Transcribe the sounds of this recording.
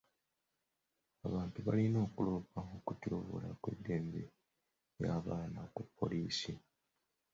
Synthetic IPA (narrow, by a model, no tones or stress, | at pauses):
aβaːntuβalino̞ːkuloːpaokutjo̞ːβo̰lakwe̞̰dːe̞ːmbḛ | jaːβaːnakupʰːo̞̰liːsi